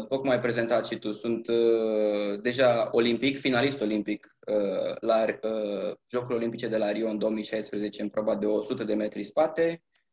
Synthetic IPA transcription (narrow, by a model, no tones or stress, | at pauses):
upokmajpɾe̞ze̞nt̪at̪ʃit̪usunt̪ | d̪e̞ʒao̞limpikfinalist̪o̞limpik | əlaəʒo̞kuɾʲo̞limpit͡ʃe̞d̪e̞laɾio̞ɨnd̪o̞omijʃajspɾəzet͡ʃe̞ɨmpɾobad̪e̞osut̪əd̪e̞me̞t̪ɾispat̪e̞